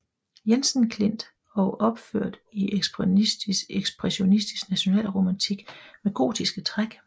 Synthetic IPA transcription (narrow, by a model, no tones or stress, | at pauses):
jensn̩kʰle̝n̰d̥ | ɒʔɒ̽b̥føɐ̰d̥iʔeɡ̥sb̥ | eɡ̥sb̥ʁɛɕo̝nisd̥i̥sɡ̥næɕo̝nɛ̰ːlʁo̝mænt͡sʰiɡ̥meɡ̥o̝̰ːd̥isɡ̥ət͡sʰʁaɡ̥